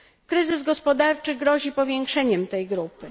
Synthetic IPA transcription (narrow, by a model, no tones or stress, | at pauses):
kɾɘzɘzɡɔspɔd̪aɾt͡ʂɘɡɾɔʑipɔvʲjɛŋkʂɛɲɛmt̪ɛjɡɾupɘ